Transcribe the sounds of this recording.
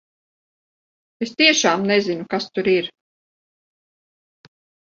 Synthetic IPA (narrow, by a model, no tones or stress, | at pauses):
est̪iɛʃaːmnezinukast̪uɾiɾ